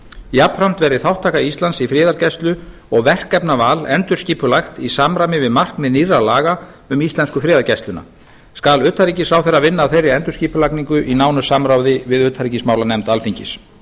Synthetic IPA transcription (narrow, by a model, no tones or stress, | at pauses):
japfɾam̥t̪vɛːɾðɪθawht̪ʰaːkaist̪ansifɾɪːðaɾcɛst̪lʏ | ɔɣvɛr̥kɛpnavaːlɛnt̪ʏɾsciːpʏlaxt̪isamɾamɪvɪðmar̥kmɛðnirːalaːɣa | ʏmist̪ɛnskʏfɾɪːðaɾcɛst̪lʏna̰ | skalʏt̪ʰːaɾiːcɪsɾawθejrːavɪnːaːθejrːɪɛnt̪ʏɾ̥sciːpʏlakniŋkʏʔinaːwnʏsamɾawðɪvɪðʏːt̪ʰhaɾiːcɪsmaːwlanɛmt̪alfiɲcɪs